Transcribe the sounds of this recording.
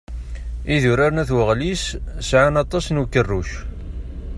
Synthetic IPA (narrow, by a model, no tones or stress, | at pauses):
iðʊɾaɾnæθwəʁlissʕanɑt̪ˤːɑsnukːərːuʃ